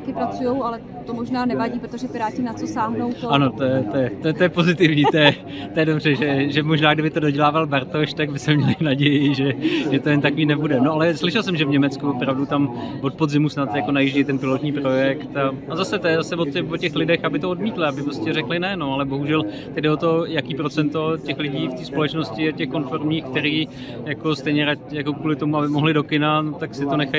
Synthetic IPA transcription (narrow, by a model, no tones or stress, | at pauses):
akɪpɾat͡sujowalɛ | t̪omoʒnaːnɛvaɟiːpɾot̪oʒɛpɪɾaːcɪnat͡sosaːɦno̞wt̪ano̞t̪ojɛt̪ojɛt̪oɛt̪ojɛpo̞zɪt̪ɪvɲiːt̪ojɛ | tt̪ojɛdobr̝ɛʒɛʒɛmo̞ʒnaːɡdɪbɪt̪o̞do̞ɟɛlaːvalbaɾt̪oʃt̪aɡ̚bɪsɛmɲɛlɪnaɟɛjɪʒɛʒ̥ɛt̪o̞jɛnt̪akoviːnɛbudɛnoalɛslɪʃɛls̬ɛmʒɛvɲɛmɛt͡skuvopɾavdut̪amvo̞t̪̚pod̪zɪmusnat̪jako̞najiːʒɟɪlt̪ɛnpɪlo̞t̪ɲiːpɾo̞jɛkt̪aʔazasɛt̪ojɛzasɛvot̪ɛvocɛxlɪdɛxabɪt̪oodmiːt̪lɪabɪpɾoscɛɾɛklɪnɛnoalɛbo̞ɦuʒɛlt̪ɛdɛot̪o̞jakiːpɾot͡sɛnt̪o̞cɛxlɪɟiːft̪iːspo̞lɛt͡ʃno̞scɪɛcɛxko̞nfo̞ɾmɲiːxk̚t̪ɛɾiː | jako̞st̪ɛjɲɛɾajako̞kuːlɪt̪o̞muabɪmo̞ɦlɪdo̞kɪnanot̪aksɪt̪o̞nɛxaj